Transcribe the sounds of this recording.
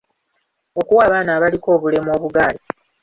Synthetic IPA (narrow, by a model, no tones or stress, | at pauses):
o̞kuwaːβaːnaːβaliko̞ːβule̞mo̞ːβuɡaːli